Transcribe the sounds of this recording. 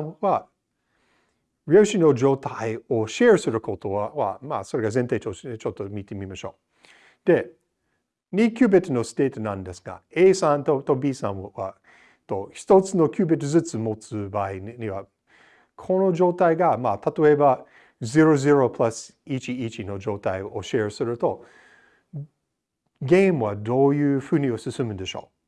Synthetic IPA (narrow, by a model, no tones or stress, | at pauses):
wa | ɾioʃinod͡ʒo̞ːt̪ʰaioʃeɹsɨɾɯkʰot̪owawa̰ma̰so̞ɾe̞ɡazẽnt̪aɪtot͡ʃot̪ːomit̪e̞mimaʃo̞̰ː | d̪̥e̞ | nʲikʰʲjʉːbet̪no̞st̪eːt̪nãnd̪esɡa̰eːsãnt̪ot̪obiːsã̰nwa̰ | t̪oçi̥t̪o̞t͡sɨno̞kʲjɨːbet̪ːɨzɨt͡sɨmo̞t͡sɨbaiɲiβa | kʰo̞no̞d͡ʒo̞ːt̪aiɡamat̪at̪o̞e̞ba | ziɾo̞ziɾo̞pʰlas | it͡ʃiit͡ʃino̞d͡ʒo̞ːt̪aioɕe̞ːɾsɨɾɯ̟t̪o̞ | ɡẽ̞mɯ̟βad̪o̞ːjɯːɸɯ̟ɲ̟io̞sɨsɨmɯ̟d̪e̞ʃo̞̰ː